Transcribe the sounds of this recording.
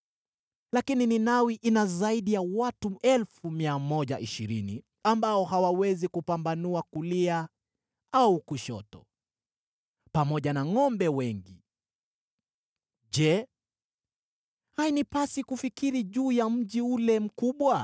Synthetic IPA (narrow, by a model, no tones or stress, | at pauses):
lakinininawiʔinazaiɗijawatuɛlfumiamɔʄaʔiʃiɾini | ambaɔhawawɛzikupambanuakulia | aukuʃɔ̰tɔ̰ | pamɔʄanaŋɔmbɛwɛŋɡi | ʄɛ | hainipasikufikiɾiʄuːjam̩ʄiulɛm̩kuɓwa